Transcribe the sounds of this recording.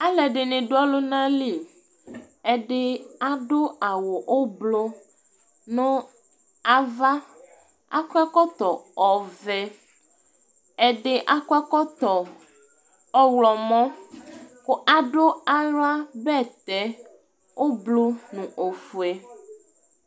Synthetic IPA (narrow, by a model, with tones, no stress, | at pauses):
a˦lɛ˨ɖe˨nẽ˨ɖo˦a˦lo˦nã˦li˨ | ɛ˦ɖe˦a˦ɖo˦a˨wo˨ʔo˦blo˦ | nõ˦ | a˨va˦ | a̰˦kɛ˦kɔ˦t̪ɔ˨ɔ˨vɛ˦ | ɛ˨ɖɪ˦ʔa˦kɔ˦ɛ˦kɔ˦t̪ɔ˨ | ɔ˦wlɔ˨mɔ̃˦ | ko˦ʔa˨ɖo˦a˨ɾo˦a˦bɛ˦˨t̪ɛ˨ | wo˦blo˦nũ˨ʔo˨fu˨e˨